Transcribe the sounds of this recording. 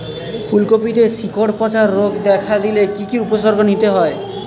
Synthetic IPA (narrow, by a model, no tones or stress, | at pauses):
pʰulkopiʈesikoɽpɔt͡ʃaɾːoɡd̪ekʰad̪ilekikiupɔs̬ɔɾɡʱɔnit̪eɦɔe